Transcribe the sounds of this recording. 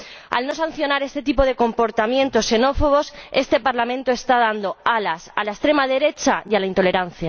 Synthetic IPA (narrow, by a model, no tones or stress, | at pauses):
a̰lno̞san̟θjo̞naɾe̞st̪e̞t̪ipo̞ðe̞ko̞mpo̞ɾt̪amjẽnt̪o̞sːe̞no̞fo̞ɣ̞o̞se̞st̪e̞paɾlamẽnt̪oe̞st̪að̞and̪o̞alasalaest̪ɾe̞mað̞e̞ɾe̞t͡ʃajalaint̪o̞le̞ɾan̟θja